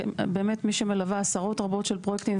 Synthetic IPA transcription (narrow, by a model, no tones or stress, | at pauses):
beːmetmiʃemelavaasaʁo̞tʁabo̞tʃelpʁojekt̪im